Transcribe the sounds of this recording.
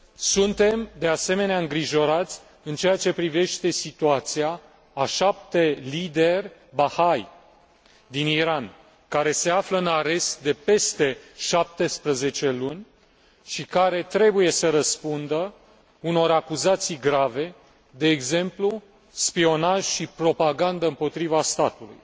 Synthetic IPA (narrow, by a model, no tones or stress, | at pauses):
sunt̪e̞md̪e̞ase̞me̞neaɨŋɡɾiʒo̞ɾat̪sʲ | ɨnt͡ʃe̞jat͡ʃe̞pɾive̞ʃt̪e̞sit̪uat̪siaː | ʃap̚t̪e̞lid̪e̞rʲbahaj | d̪iniɾan | kaɾe̞se̞afləɨnaɾe̞st̪̚d̪e̞pe̞st̪e̞ʃap̚t̪e̞spɾəze̞t͡ʃe̞lunʲ | ʃikaɾe̞t̪ɾe̞buje̞səɾəspund̪ə | uno̞ɾakuzat̪sijɡɾave̞ | d̪e̞ːɡze̞mplu | spio̞naʒ̥ʃipɾo̞paɡand̪əɨmpo̞t̪ɾivast̪at̪ulṵj